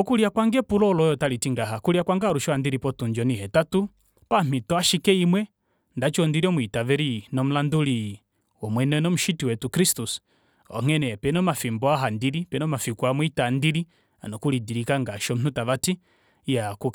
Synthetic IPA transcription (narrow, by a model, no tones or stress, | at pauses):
ɔkuɾiakwaŋɡɛpulɔlɔjɔtalitiŋɡaɦakuɾiakwaŋɡaɾuʃɔandiɾipɔtund͡ʒɔnihɛtatu | pam̥itɔaʃikɛimwɛ | ndat͡ʃɔndiɾiɔmwitavɛɾinɔm̩landuli | wɔmwɛnɛnɔm̩ʃitiwɛtukɾistus | ɔ̰ŋ̥ɛnɛpɛnɔmafimbɔaɦandiɾipɛnɔmafikwamwitandiɾi | a̰nɔkulidiɾikaŋɡaʃɔm̩nutavati | jaku